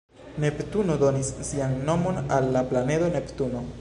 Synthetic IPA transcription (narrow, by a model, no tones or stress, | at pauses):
ne̞ptuno̞do̞nisːianːo̞mo̞nalːaplanedo̞ne̞ptuno̞